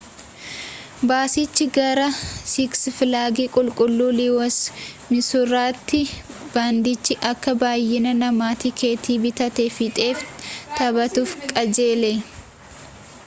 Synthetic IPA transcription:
baːsɪt͡ʃːɪɡɐɾɐsɪksfɪlaːɡiːkʼʊlkʼʊlːuːliwɔsmɪsʊraːt̪ːɪb̥aːnd̪ɪt͡ʃːɪʔɐkːɐbaːjːɪnɐnɐmaːt̪ɪkʰe̞ːt̪iːbɪt̪ɐt̪efɪt̪ʼe̞ːft̪ɐbɐt̪ufkʼɐd͡ʒe̞ːle

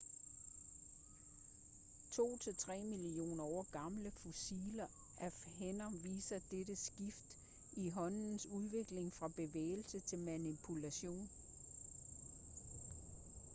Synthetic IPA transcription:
t͡sʰo̝̰ːt͡sʰe̝lt͡sʰʁɛ̰ːmilio̝̰ːnɐɒɡ̥ɑ̈mləfosilɐ | æfhenɐʋḭːsɐd̥eɾəsɡ̥ifd̥ | iɦɒ̽n̰n̩suð̞ˠʋe̝ɡ̥le̝ŋfʁɑ̈b̥e̝ʋḛːɪl̩sət͡sʰe̝lmænipʰulæɕo̝̰ːn

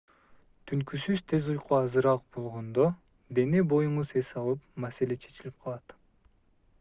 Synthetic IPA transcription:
t̪ʰyŋkysyz̥t̪ʰe̞zujquɑzɯɾɑq̚bo̞lˠʁo̞nd̪o | d̪e̞nebo̞juɴuze̞sɑlˠɯpmase̞le̞t͡ʃʰe̞̥t͡ʃilip̚qʰɑlˠɑt̪

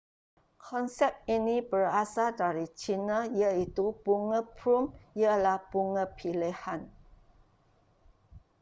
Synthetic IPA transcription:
kʰɔnsɛp̚inĩbərasadaɾit͡ʃinəiait̪ub̥uŋə̃pʰɾumijəlahb̥uŋəpʰilehan

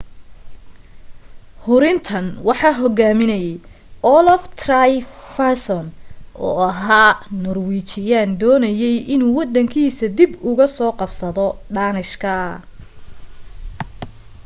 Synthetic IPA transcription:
hʊɾɪnt̪ʰɐnwɑħɑːɦɔɣaːmɪnɐjɛj | ʔɔlɔft̪ʰrajfasɔnʔɔ̰ːɐɦaːnɔrwiːt͡ʃɪjaːnd̪ɔːnɐjɛjʔɪnuːwɑd̪ɐŋkʰiːsɐd̪ɪbʊɣɐsɔːqɑbsɐðɔɖaːnɪʃkʰɐ

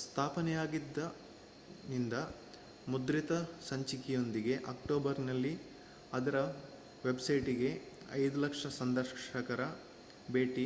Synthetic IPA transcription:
st̪ʰaːpɐnɛjaːɡid̪ːɐ | nind̪ɐ | mud̪ɾit̪ɐsɐɲt͡ʃikijo̞nd̪iɡe̞ʔɐkʈoːbɐɾnɐlːi | ɐd̪ɐɾɐ | ʋe̞bsɐjʈiɡe̞ | ɐ̰jd̪ulɐkʂɐsɐnd̪ɐɾʂɐkɐɾɐ | beːʈi

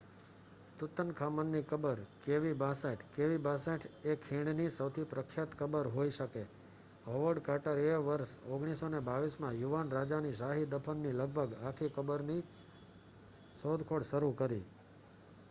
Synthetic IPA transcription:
t̪ut̪ːənkʰamənːikəbəɾkeʋibaseʈʰkeʋibasẽʈʰekʰːẽɽnisəwt̪ʰipɾəkʰjat̪kəbəɾɦoiʃəke | ɦoʋəɖkaʈəɾeʋəɾʃoɡɽ̃isonebaʋismãjuʋanɾad͡ʒaniʃaɦid̪əpʰənːiləɡ̚bʱəɡakʰikəbəɾni | sod̪ʱkʰoɽʃəɾukəɾḭ

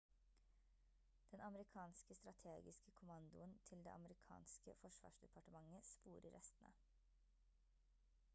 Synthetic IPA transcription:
d̪̥ɛnɑməɾɪkʰɑːnskəst̪ɾɑt̪ʰeːɡɪskəkʰʊmɑnd̪ʊənt̪ʰɪld̪ḛʔɑməɾɪkʰɑ̰ːnskə̰fɔʂʋɑ̰ːʂd̪ɛpʰɑʈəmɑŋːəspuːɾʔə̰ɾʔɛst̪ənə̰

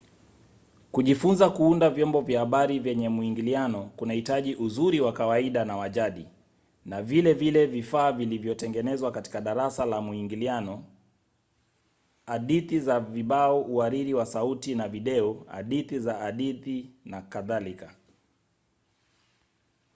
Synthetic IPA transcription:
kuʄifunzakuundavjɔmbɔvjahaɓaɾivjɛɲɛmuiŋɡilianɔkunahitaʄiʔuzuɾiwakawaiɗanawaʄaɗi | navilɛvilɛvifaːvilivjɔtɛŋɡɛnɛzwakati̥kaɗaɾasalamuiŋɡilianɔ | aɗiθizaviɓaɔʔuaɾiɾiwasautinaviɗɛɔa̰ɗiθizaaɗiθinakaðalika

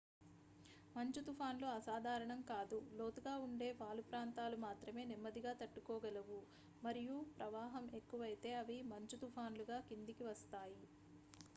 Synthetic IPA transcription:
mɐɲt͡ʃut̪upʰaːnluɐsaːd̪ʱaːɾɐɳɐmkaːd̪ulo̞ːt̪uɡaːuɳɖe̞ːpaːlupɾaːnt̪aːlumaːt̪ɾɐme̞ːnimːɐd̪iɡaːt̪ɐʈːukɔːɡɐluʋu | mɐɾijupɾɐʋaːɦɐme̞kːuʋɐjit̪e̞ːɐʋimɐɲt͡ʃut̪upʰaːnluɡaːkind̪ikiʋɐst̪aːji

